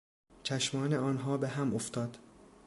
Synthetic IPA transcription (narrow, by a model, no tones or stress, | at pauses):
t͡ʃʰæʃmɒːneɒːnɦɒːbeɦæmoft̪ɒːd̪̥